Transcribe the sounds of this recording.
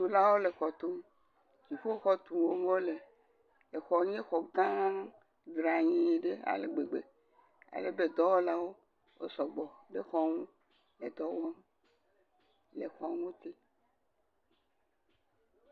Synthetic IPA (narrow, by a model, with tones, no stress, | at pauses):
d̪u˨la˦wo˦le˨xɔ˨t̪u˦m | d͡ʒi˨ɸo˦xɔ˦t̪u˨wo˦ŋɔ̃˦le˨ | e˨xɔ˨ɲẽ˦xɔ˨ɡã˦ŋ | d̪ɾa˨ɲẽ˨ɖe˦a̰˨lḛ˨ɡ͡be˨ɡ͡be˨ | a̰˨le˦be˨d̪ɔ˦wo˦la˦wo˦ | wo̰˦sɔ˨ɡ͡bɔ˨be˦xɔ˦ŋũ˦ | le˨d̪ɔ˦wa˦m | le˨xɔ˨˦ŋo˦t̪i˦